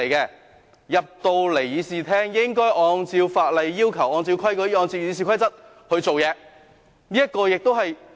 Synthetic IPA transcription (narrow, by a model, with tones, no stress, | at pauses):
jkɛː˧ | jɐ˨p̚t̪o˧wle˨˩jjiː˨˧siː˨˩t̪ʰɛː˥ŋjɪ˥ŋkɔː˥jʔɔː˨˧ŋt͡siː˧wfaː˧t̚lɐ˨jːiː˥wkʰɐ˨˩wɔː˨˧ŋt͡siː˧wkʰɐ˥jkɔː˧˥jɔː˧nt͡si˧wjiː˧s̬iː˨kʰɐ˥jt͡sɐ˥t̚ | hɵ˧ɥt͡so˨wjɛː˨˧ | niː˥jɐ˥t̚kɔː˧jɪ˨k̚t̪o˥wɦɐ˨j